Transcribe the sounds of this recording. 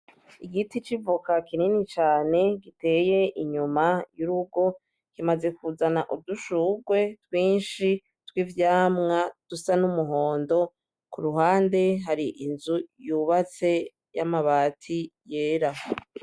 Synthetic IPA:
iɡitit͡ʃivukakininit͡ʃaːne̞ɡite̞je̞ʔiɲumajuɾuɡo̞ | kimaze̞kuzanaʔuduʃuɡwe̞twiːnʃi | twivjaːmŋad̥usanumuɦo̞ːndo̞ | kuɾuɦaːnde̞ɦaɾiʔinzujuβat͡se̞ | jamaβaːtʰije̞ːɾa

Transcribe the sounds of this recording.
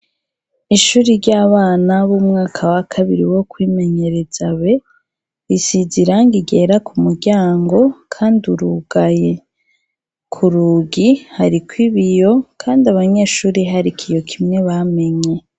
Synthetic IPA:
iʃuːɾiɾɟaːβaːnaβumŋaːkʰawakʰaβiɾiwo̞kwiːme̞ɲe̞ɾe̞z̥aβe | isiziɾaŋɡiɡe̞ɾakʰumuɾɟaːŋɡo̞kʰaːnduɾuɡ̥aje | kʰuɾuːɡihaɾikwiβijo̞kʰaːndiaβaɲe̞ːʃuːɾiɦaɾikʰijo̞kʰimŋe̞βame̞ɲe

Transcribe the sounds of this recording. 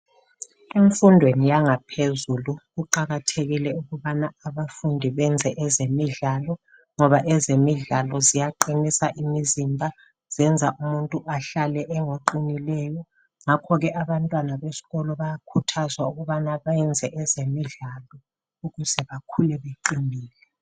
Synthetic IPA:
eɱfundʱwenijaŋapʰezuluɣuǃaɣatʰeɣilɛuɣuβanaaβafundʱiβɛnd͡zʱɛʔɛzemiɮalɔ | ŋɔβaʔɛzemiɮalɔzijaǃinisaʔimizimbʱa | z̥ɛnd͡zʱaʔumuntʼuʔaɬalɛʔɛŋoǃinilɛjɔ | ŋakʰɔɣɛʔaβantʼwanaβesi̥ɣɔlɔβajakʰutʰazwauɣuβanaβaɛnd͡zʱɛʔɛzemiɮalɔ | uɣuzɛβakʰulɛβeǃimbʱiːlɛ

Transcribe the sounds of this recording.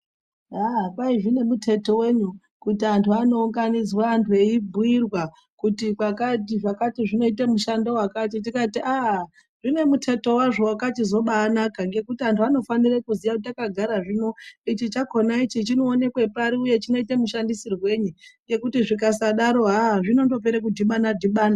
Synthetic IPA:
akaiʐine̞mutʰe̞to̞we̞ɲu | kutiantʰuano̞uŋɡanid͡zwaːntʰueibʱuirwa | kutikwakat̬iʐakatiʐino̞itemuʃandowakat̬it̬ikatiʔa | ʐine̞mutʰe̞to̞waʐowakatizo̞ɓaːnakaŋɡe̞kutiantʰuano̞fanirekuzijakutakaɡʱaɾaʐino̞it͡ʃit͡ʃako̞nait͡ʃit͡ʃino̞ːne̞kwepaɾiuje̞t͡ʃino̞itemuʃandisirwe̞ɲuŋɡe̞kutiʐikasaɗaɾoɦaʐino̞ndo̞p̬eɾek̬udʱiɓanadʱiɓaːna

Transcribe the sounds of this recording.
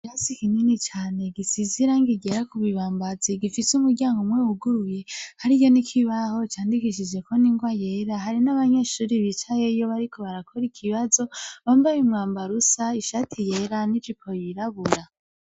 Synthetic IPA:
kasikininit͡ʃaːne̞ɡisiziɾaŋɡiɡe̞ɾakuβiβaːmbaziɡifisumuɾɟaːŋɡomweːwuɡuɾuje̞haɾijonikʰiβaho̞t͡ʃaːndikiʃ̬id͡ʒe̞ko̞niŋɡwaje̞ɾaɦaɾinaβaɲe̞ʃuːɾiβit͡ʃaje̞jo̞βaɾikʰo̞βaɾakʰoɾikʰiβazo̞βoːmbajumŋaːmbaɾusaiʃatʰije̞ɾanivikʰo̞jiɾaβuɾa

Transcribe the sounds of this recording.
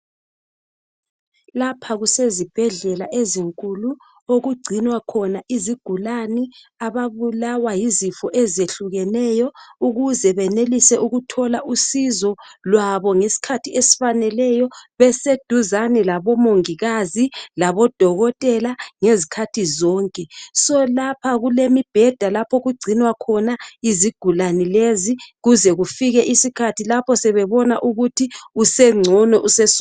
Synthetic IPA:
lapʰaɣusezib̥ʱɛɮɛlaʔeziŋkʼulu | oɣuɡ͡ǀʱinwakʰɔnaʔiziɡ̥ʱulani | aβaβulawajizifɔʔezeɬuɣɛnɛjɔuɣuzɛβɛnelisɛʔuɣutʰɔlaʔusizɔlwaβɔŋesi̥kʰatʰiesi̥fanɛlɛjɔβɛsed̥ʱuzanɛlaβɔmoŋiɣazilaβɔd̥ʱɔɣɔtʼɛlaŋezikʰatʰizɔːŋkʼɛsɔlapʰaɣulemib̥ʱɛd̥ʱalapʰɔɣuɡ͡ǀʱinwakʰɔnaiziɡ̥ʱulanileziɣuzɛɣufiɣɛʔisikʰatʰilapʰɔsɛβɛβɔnaʔuɣutʰiusɛŋ͡ǀʱɔnɔʔusɛs

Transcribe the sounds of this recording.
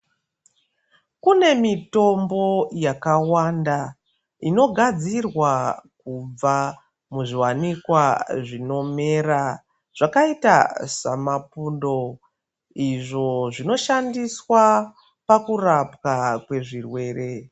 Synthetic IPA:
kune̞mito̞mbo̞jakawanda | ino̞ɡʱad͡zirwakub͡va | muʐiwanikwaʐino̞me̞ːɾa | ʐ̥akaita̰sa̰mapundo̞ | iʐo̞ʐino̞ʃandiswa | pakurapkakwe̞ʐirwe̞ːre̞

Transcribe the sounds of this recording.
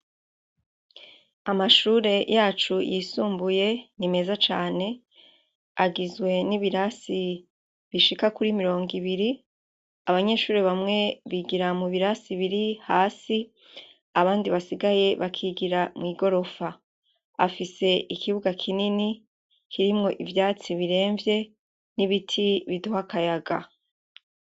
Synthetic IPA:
amaʃuːɾe̞jaːt͡ʃujisuːmbuje̞nime̞ːzat͡ʃaːne̞ | aɡizwe̞niβiɾasi | βiʃikakuɾimiɾo̞ːŋɡiβiɾi | aβaɲe̞ːʃuːɾiβamŋe̞βiɡiɾamuβiɾasiβiɾihaːsi | aβaːndiβasiɡaje̞βakʰiɡiɾamŋiːɡo̞ɾo̞fa | afise̞ʔikʰiβuɡakʰinini | kʰiɾimŋo̞ʔivjaːt͡siβiɾe̞ːɱvje̞ | niβitʰiβiduhakʰajaɡa̰

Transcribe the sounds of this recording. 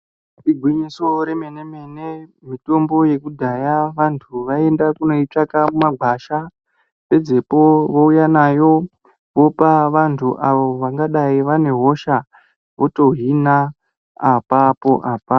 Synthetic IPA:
riɡʱwiɲiso̞ɾeme̞ne̞me̞ne̞ | mito̞mbo̞je̞kudʱajaʋantʰuʋae̞ndakuno̞it͡ʂakamumaɡʱaʃa | pe̞d͡ze̞po̞ʋo̞ujanajo̞ | ʋo̞paʋantʰuʔaʋoʋaŋɡaɗaiʋane̞ɦo̞ʃa | ʋo̞to̞ɦina | apapoʔapa

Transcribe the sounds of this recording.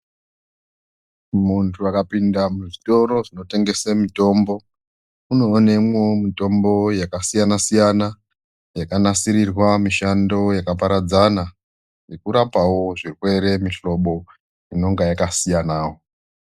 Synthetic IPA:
muntʰuakapindamuʐito̞ɾo̞ʐino̞te̞ŋɡe̞semito̞mbo̞ | uno̞ːne̞mwomito̞mbo̞jakasijanasijana | jakanasiɾirwamiʃando̞jakap̬aɾad͡zana | jekuɾapawo̞ʐirwe̞ɾe̞miɬo̞ɓo̞ | ino̞ŋɡajakasijanaːwo̞

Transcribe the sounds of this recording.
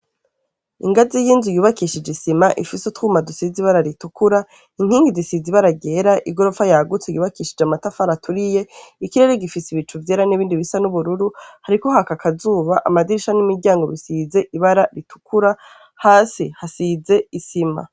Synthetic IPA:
ḭŋɡazijiːndijuːβakiːʃid͡ʒisimaʔḭfisutkuːmadusiziβaɾaɾitukuɾa | iŋ̥hiːŋɡizisiziβaɾaɡe̞ɾaʔḭɡo̞ɾofajaɡut͡sejuːβakiːʃid͡ʒamatafaɾatʰuɾije̞ikiɾe̞ːɾeɡifisiβit͡ʃuvjeːɾaniβiːndiβisanuβuɾuɾuhaɾikoɦakakazuːβaʔamadiʃanimiɾɟaːŋɡo̞βisiːze̞ʔiβaɾaɾitu̥kʰuɾa | haːsihasize̞isima̰

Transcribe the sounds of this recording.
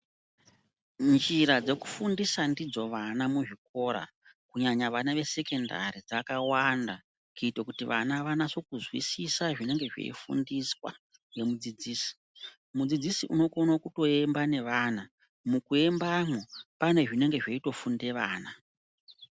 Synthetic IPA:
nd͡ʒiɾad͡ze̞ku̥fundisandid͡zo̞ʋanamuʐik̚o̞ɾa̰ | kuɲaɲaʋanaʋe̞se̞ke̞nda̰rid͡zakawanda | kuitekutiʋʔa̰naʋanaʂo̞kuzwḭsisaʐine̞ŋɡe̞ʐḛḭfṵndiswa̰ | je̞mud͡zid͡ziːsi̥ | mud͡zid͡zisiʔuno̞konakuto̞e̞mbane̞ʋaːna | mukue̞mbamwopane̞ʐine̞ŋɡe̞ʐeito̞funde̞ʋaːna

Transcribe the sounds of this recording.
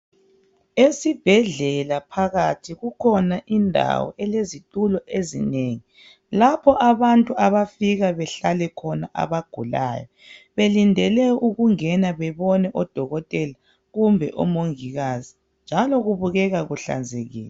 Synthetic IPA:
esib̥ʱɛɮɛlapʰaɣatʰiɣukʰɔnaʔindʱa̰wɔ̰ʔɛlezitʼulɔʔezḭneːŋi | lapʰɔʔaβantʼuaβafiɣaβɛɬalɛkʰɔna̰ʔa̰βaɡ̥ʱula̰ːjɔ | βelindʱɛlɛuɣuŋɛnaβɛβɔnɛʔɔd̥ʱɔɣɔtʼɛla | ɣumbʱɛ̰ʔɔmoŋiɣazi | nd͡ʒʱalɔɣuβuɣɛɣaɣuɬa̰nd͡zʱḛɣḭːlɛ

